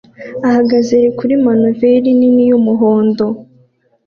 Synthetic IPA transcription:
ahaɡazeɾekuɾimanuveɾininijumuɦoːndo̞

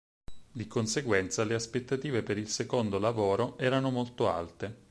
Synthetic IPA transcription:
d̪ikonseɡwɛnt̪saleaspet̪ːat̪iːvepeɾilsekond̪olavoːɾoɛːɾanomolt̪oa̰lt̪e

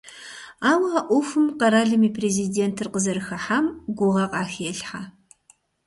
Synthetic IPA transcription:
aːwɐɐʔʷʊfɨmqɐɾaːɮɨmiːpʰreːzideːntʰɨrqəzɐɾɨxɐħamɡʷʊʁɐqʼɑːxɛɬħa

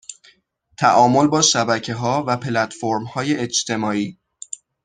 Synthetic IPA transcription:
t̪ʰæʔɒːmo̞lbɒːʃæbæcʰe̞ɦɒːvæpʰelæt̪foɾmhɒːjeet͡ʃt̪ʰe̞mɒːiː

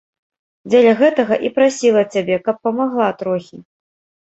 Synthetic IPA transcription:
d͡zʲelʲɐɣɛt̪ɐɣɐʔipɾasʲilˠɐt͡sʲabʲɛkɐpːɐmaɣlˠat̪ɾɔxʲi

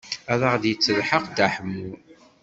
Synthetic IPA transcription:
æðəʁðjət͡sːəðħəqt̪aħəmːuɾ

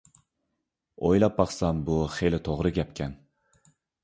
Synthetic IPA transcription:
ojlap̚ːɑχsambʊχejlɪt̪ʰoʁɾɪɡʲapkʲan

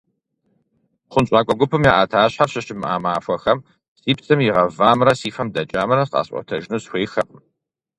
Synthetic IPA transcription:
χʷʊnt͡ʃʼaːkʷʼɔɡʷʊpʰɨmjaːʔaːtʰaːɕħaɕɐɕɪmʔa̰ːmaːfʷɔxɐm | siːpsɐmjɪʁɐvaːmɾɐsiːfɐmdɐt͡ʃʼaːmɐɾɐsqʼa̰ːɕʼʷɔ̰tʰɐʒnuːsxʷeːxɐʔʼ

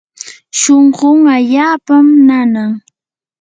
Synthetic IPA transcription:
ʃoɴɢʊŋaʎaːpamnanaŋ

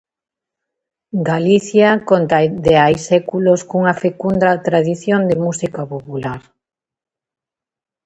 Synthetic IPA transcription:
ɡaliθjakont̪aðeajsɛkuloskuŋafekund̪ɾat̪ɾaðiθjond̪emusikapopulaɾ

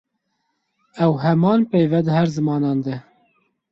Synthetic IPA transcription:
ɛwɦɛmɑːnpeːjvɛd̪ɨɦɛɾzɨmɑːnɑːnd̪ɨ

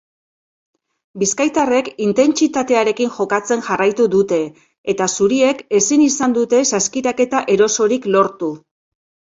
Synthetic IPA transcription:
biskajt̪are̞kint̪e̞nt͡ʃit̪at̪e̞aɾe̞kiŋʝo̞kat͡se̞nʝarajt̪uðut̪e̞ | et̪asuɾie̞ke̞sinisand̪ut̪e̞saskiɾake̞t̪aʔe̞ɾo̞so̞ɾiklo̞ɾt̪u

